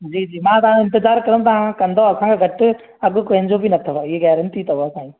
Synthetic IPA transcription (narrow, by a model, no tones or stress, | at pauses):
d͡ʑiːd͡ʑiːmãːt̪ɐʋãɽ̃ɪ̃nt̪ɪzaːɾkɐɾə̃t̪ɐʋãkɐ̃nd̪oɐsãkʰeːɡʱɐʈɪ | ɐɠʊkoɦɪ̃ɲd͡ʑobinɐt̪ʰoɪɦeɣɛːɾənt̪ʰit̪ɐoɐsãːi